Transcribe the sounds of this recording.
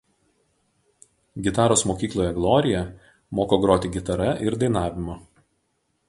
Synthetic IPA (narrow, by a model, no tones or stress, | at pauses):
ɡʲɪt̪ɑːɾoːsmoːkʲiːklˠoːjɛɡlˠɔːɾʲɪjɛ | moːkoːɡɾoːt̪ʲɪɡʲɪt̪ɐɾɐʔɪɾd̪ɐɪnɑːʋʲɪmʊ